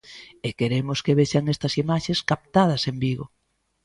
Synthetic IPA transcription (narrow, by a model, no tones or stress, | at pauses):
ekeɾemʊskeβeʃaŋest̪ɐsimaʃeskap̚t̪að̞ɐsembiɣo̰